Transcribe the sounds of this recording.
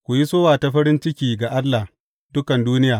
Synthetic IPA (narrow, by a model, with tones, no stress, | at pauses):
kʷu˨ji˦soː˦waː˨ta˨ɸɐ˦ɾɪ˦nt͡ʃɪ˦kʲiː˨ɡa˨ʔa˦lːa˨ | dʊ˦kɐ˨nduː˦nɪ˦jaː˨